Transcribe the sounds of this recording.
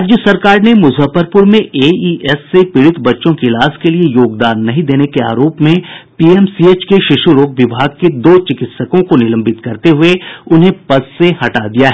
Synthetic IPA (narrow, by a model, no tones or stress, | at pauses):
ad͡ʒjəsɐɾkaːɾnemʊzʱəfəɾpʊɾmẽeːiːʔɛsːepɪɽɪt̪bɐtːʃõkilaːskeliejoːɡd̪aːnːɐɦĩd̪eːnekea̰ːɾoːpmẽpiɛmsieːt͡ʃkeʃɪʃuɾoːɡ̚ʋɪbʱaːɡ̚ked̪oːt͡ʃɪkɪt̪səkõkonɪlə̃mbɪt̪kɐɾt̪eɦʊeʊnɦẽpɐsːehɐʈad̪ijaɦɛː